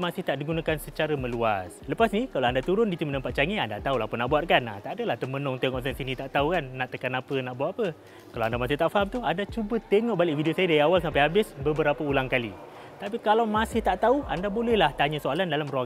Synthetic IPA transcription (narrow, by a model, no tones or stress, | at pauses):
masɪht̪aʔdiɡunakansət͡ʃaɾamə̃luasləpasnikalawandat̪uɾʊndit̪umənəmpat̪̚t͡ʃaŋianda̰t̪aulapənaʔbuat̪̚kana̰t̪aʔadəlaht̪əmənɔŋt̪eŋɔʔsansinĩt̪aʔt̪aukanːaʔt̪əkanapənaʔbuat̪apə | kalawandamasɪht̪aʔfaɦamt̪uandat͡ʃubət̪eŋɔʔ̚balɪʔvidiosajədaiawalsampajɦabɪsbəbəɾapəulaŋkalḭ | t̪apikalawmãsɪht̪aʔt̪auandabolɛhlaht̪aɲəsoalandalamruaŋ